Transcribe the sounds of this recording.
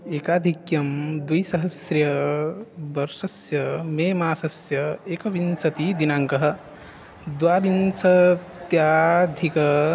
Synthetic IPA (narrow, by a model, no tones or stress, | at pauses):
eːkaːd̪ʱikjɐmd̪ujsɐɦɐsɾjɐ | bɐɾsɐsjɐmeːmaːsɐsjɐeːkɐʋinsɐt̪id̪inaːŋkɐɦɐ̆ | d̪waːbinsɐt̪jaːd̪ʱikɐ